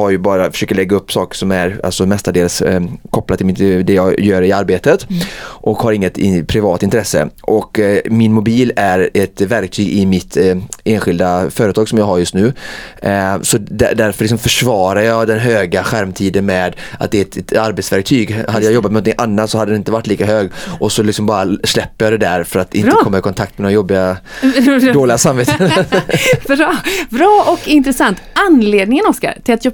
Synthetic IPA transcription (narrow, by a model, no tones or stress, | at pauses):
haɾjɵbɑːɾafœ̥ʂøːkəɭɛɡːaɵpːsɑːkə̥ʂɔmæɾa̰lsɔmɛst̪aɖeːlskʰɔpːlat̪ʰːɪlmɪd̪ɛjɑɡjœːɾɪaɾbeːt̪ət̪ʔɔkhaɾɪŋːət̪ɪpʰɾɪvɑːt̪ːɪnt̪ɾɛsːə̰ʔɔkmɪnmʊbiːlæɾɛt̪væɾk̚t̪ʰyːɡɪmɪt̪ʰeːnɧɪld̪afœːɾət̪ʰɑːɡsɔmjɑːɡɦaɾjɵst̪nʉ̟ː | sɔd̪æ̰d̪æɾfœɾlɪksɔmfœʂvɑːɾaɾjɑːd̪ɛnɦøːɡaɧæɾmt̪ʰiːd̪ənmɛd̪at̪̚d̪ɛɛt̪t̪aɾbet̪svæɾk̚t̪ʰyːɡhad̪ːəjaːjɔbːt̪mɛnɔnt̪ɪŋʔanːat̪sɔhad̪ədɛnɪnt̪əvaʈːliːkaɦøːɡʔɔsɔlɪksɔmbɑːɾaʂlɛpːəɾjɑːd̪ɛd̪æɾfœɾat̪ɪnəkɔmːɪkʰɔnt̪ʰak̚t̪mɛnɔajɔbːɪɡa | d̪oːlɪɡasamveːt̪ʰ | bɾːbɾɑːʔɔkɪnt̪ɾɛsant̪anleːd̪nɪŋənɔska̰ɾt̪ʰɪlat̪j